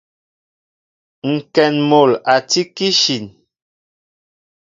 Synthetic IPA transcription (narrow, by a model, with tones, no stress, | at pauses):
ŋ̩˨kɛ˨nmo˨la˨ti˦ki˦ʃi˨n